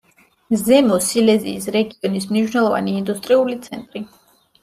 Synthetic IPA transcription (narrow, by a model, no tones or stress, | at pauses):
zɛmɔsilɛzḭːsɾɛɡiɔnismniʃnɛlˠɔva̰niːnd̪ust̪ʼɾiulit̪sʰɛnt̪ʼɾi